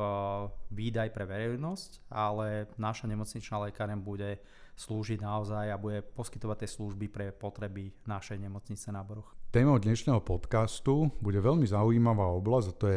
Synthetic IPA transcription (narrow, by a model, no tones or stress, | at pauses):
ʋiːd̪ajpɾɛʋɛɾɛjnɔscalɛnaʃaɲɛmɔt͡sɲit͡ʃnalɛkaːɾɛmbuɟɛ | sluːʒiɟnaɔzajabuɟɛpɔskit̪ɔʋat̪ːɛsluʒbipɾɛpɔt̪ɾɛbinaʃɛjɲɛmɔt͡sɲit͡sɛnabrɾ̩xt̪ɛːmɔʊd̪ɲɛʃnɛːɦɔpɔt̪kast̪ubuɟɛʋɛlmizaujiːmaʋaːɔblazat̪ɔjɛ